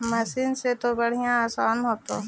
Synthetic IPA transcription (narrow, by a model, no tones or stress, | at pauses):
mɐsinset̪obɐɽ̤ijãaːsaːnɦoːt̪o